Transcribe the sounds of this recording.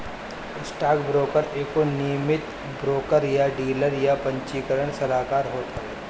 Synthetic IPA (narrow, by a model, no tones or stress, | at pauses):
ɪsʈaːkbɾoːkəɾeːkonijəmɪt̪ | bɾoːkəɾjaɖiːləɾjapɐ̃ɲt͡ʃiːkəɾəɽ̃sɐlaːkaːɾɦoːt̪aɦɛ